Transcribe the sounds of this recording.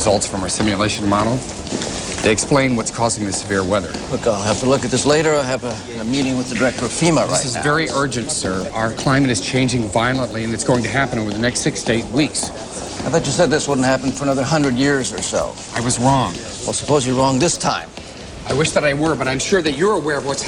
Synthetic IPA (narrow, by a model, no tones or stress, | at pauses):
ɹzʌlˠtsfɹʌ̃msɪ̃mjɨleɪʃn̩mɑɾl̩ˠ | ðʰɨɪɨksplẽɪ̃nwʌtskʰɔzɪ̃ŋðɨsɨvɪɹwɛðə̰˞hʊkoɪlˠhæftəlʊkɨt̪̚ðɪsleɪɾə˞aɪɨvɨ̃ | nəmiɾɪ̃ŋwəðɨdə˞ɛk̚tə˞ʌv̥fiməðɹa̰ɪsɨzn̰vɛɹiʔɜ˞d͡ʒɨ̃ntsɜ˞aʊə˞kʰl̥ãɪ̃mɨɾɨz̥t͡ʃʰẽɪ̃nd͡ʒɪ̃ŋvaɪlˠə̃nʔliɨ̃nɨtsɡ̥oʊɪ̃ŋtʰɨɦæpñoʊvə˞ðɨnɛkstɪkseɪt̚wiks | aɪθɔt͡ʃɨsɛd̪̚ðɪswʊdⁿn̩thæpn̩fə˞ənʌðə˞ɦʌ̃ndɹɨdjɪɹzə˞so̰ʊ | aɪwʌzɹɔ̃ŋ | aɪlˠsə̥poʊzjə˞ɹɔ̃ŋðɪstʰã̰ɪ̃m | aɪwɪʃðɨɾaɪwə˞bʌɾãɪ̃mʃʊɹðɨt͡ʃə˞əwɛɹʌvwʌts